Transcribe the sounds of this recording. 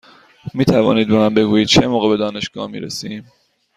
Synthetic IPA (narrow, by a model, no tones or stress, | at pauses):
miːt̪ʰævɒ̰ːniːd̪̚bonambe̞ɡuːjiːd̪̥̚t͡ʃʰemoːɣebed̪ɒːne̞ʃɡ̥ɒ̰ːhmḭːɾesiːm